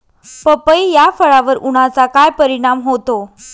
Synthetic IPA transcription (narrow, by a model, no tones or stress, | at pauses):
pəpəjjafəɭaʋəɾuɽ̃at͡sakajpəɾiɽ̃amɦot̪o